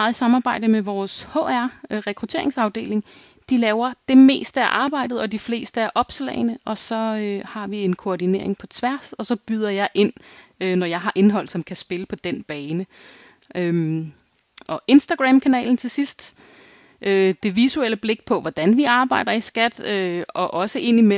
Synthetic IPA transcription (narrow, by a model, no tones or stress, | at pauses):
ð̩ˠsɑ̈mɑ̈ːb̥ɑ̈ɪ̰d̥əmeʋɒːsho̰æɐ̰ʁɛkʰʁut͡sʰe̝̰ɐe̝ŋsɑ̈ʊd̥e̝̰ːle̝ŋ | d̥ilɛːʊɐd̥e̝me̝̰ːsd̥əæɐʔɑ̈ːb̥ɑ̈ɪ̰d̥ð̩ˠɒ̽d̥ifle̝̰ːsd̥əæɐʔɒ̽b̥slɛ̰ːɪnəʔɒ̽sɒ̽øhɑ̈ʋie̝nkʰoɒdine̝̰ɐ̰e̝ŋpʰɒ̽t͡sʰʋæɐ̰sɒ̽sɒ̽b̥yð̞ˠɐjɑ̈ɪʔe̝n̰ønɒjɑ̈ɪɦɑ̈ʔe̝nɦɒ̽l̰sɒ̽mkʰæsb̥e̝ləpʰɒ̽d̥en̰b̥ɛːnə | ø | ʔɒ̽ʔe̝nsd̥æɡ̥ʁɛmkʰænɛ̰ːln̩t͡sʰe̝sisd̥ | ʔød̥e̝ʋisueləb̥le̝ɡ̥̚pʰɒ̽ʋɒd̥ænʋiɑ̈ːb̥ɑ̈ɪ̰d̥ɐisɡ̥æd̥øɒ̽ʔɒ̽səʔe̝n̰ime